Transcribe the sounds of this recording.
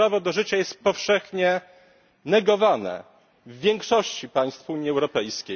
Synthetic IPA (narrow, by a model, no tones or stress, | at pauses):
ɾavɔd̪ɔʐɘt͡ɕajɛst̪̚pɔfʂɛxɲɛ | nɛɡɔvanɛ̰ | vːʲjɛŋkʂɔɕt͡ɕipaj̃st̪fuɲiɛwɾɔpɛjskʲej